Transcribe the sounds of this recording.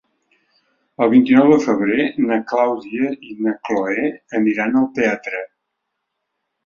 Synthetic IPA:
əlˠβint̪inɔwðəfəβ̞ɾenəklawziəinəkloeəniɾanəlˠt̪eat̪ɾə

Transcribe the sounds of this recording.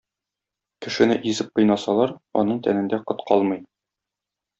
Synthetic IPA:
kɘ̆ʃɘ̆nɘʔizɘp̚qɤ̆jnɑsɑlˠɑɾɒ̰nɤɴt̪ænɘ̆nd̪æqŏt̪qʰɒlˠmɤj

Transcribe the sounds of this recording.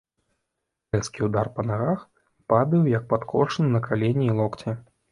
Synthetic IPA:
ɛnskʲiwd̪arpɐnaɣax | pad̪ɨwjɐk̚pat̪kʰɔ̰ʂɨnɨnɐkʰalʲenʲiːlˠɔkt͡sʲɛ

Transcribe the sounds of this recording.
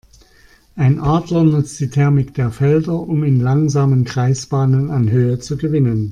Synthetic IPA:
ʔaɪnʔaːdlɐnʊt͡std̥iːtʰɛɐmɪkd̥eːɐfɛldɐʔʊmɪnlaŋzaːmənɡʁ̥aɪsb̥aːnənanɦøːət͡suɡəvɪnən

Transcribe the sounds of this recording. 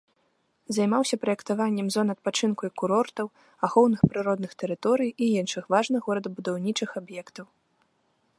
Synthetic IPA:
zajmawsʲɐpɾɐjɛkt̪avanʲːɛmzɔnɐt̪̚pat͡ʂɨnkujkuɾɔrt̪ɐw | axɔwnɨxpɾɨɾɔd̪nɨxt̪ɛɾɨt̪ɔɾɨjiinʂɨxvaʐnɐɣɔɾɐd̪ɐbud̪awnʲit͡ʂɨxabjɛkt̪ɐw

